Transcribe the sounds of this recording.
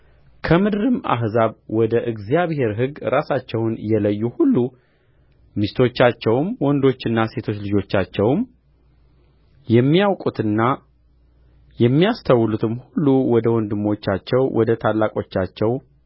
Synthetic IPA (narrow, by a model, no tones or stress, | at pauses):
kʰəmɨd̪ɨɾɨma̰ɦzaβwɔd̪əʔɨɡzijaβhe̞ɾɦɨɡɾasat͡ʃːɛwnjɛləjːuhulːu | mist̪ʰo̞t͡ʃːat͡ʃːɛwmwɔnd̪o̞t͡ʃːɨnːase̞t̪ʰo̞t͡ʃːlɨd͡ʒo̞t͡ʃːat͡ʃːɛwm | jɛmːiawkʼut̪ɨnːa | jɛmːijast̪ʰawːɨlut̪ʰɨmhulːuwɔd̪əwɔnd̪ɨmːo̞t͡ʃːat͡ʃːɛwwɔd̪ət̪ʰalːakʼo̞t͡ʃːat͡ʃːɛw